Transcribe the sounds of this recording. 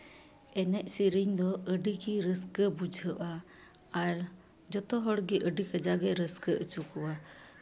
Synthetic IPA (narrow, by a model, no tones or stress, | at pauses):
ɛnɛʔ̚siɾiɲd̪ɔəɖiɡiɾəskəbud͡ʒʱəʔaː | ɾ | d͡ʒɔt̪ɔɦɔɽɡiʔəɖikəd͡ʒaɡɛɾəskəʔət͡ʃukɔwa